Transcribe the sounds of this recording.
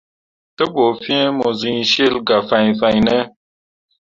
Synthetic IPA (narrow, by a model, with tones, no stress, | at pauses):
tə˦bo˨fi˦e˦mo˨zi˨ɲʃe˦lɡa˨fa˨ɲfa˨ɲnɛ˦